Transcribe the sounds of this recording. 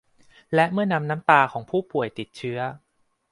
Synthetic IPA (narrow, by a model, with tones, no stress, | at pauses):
lɛ˦˥ʔmɯ˥˩ɐna˧mnaː˦˥mt̪aː˧kʰɔː˩˦ŋpʰuː˥˩pu˨˩əjt̪i˨˩t̪̚t͡ɕʰɯ˦˥ɐ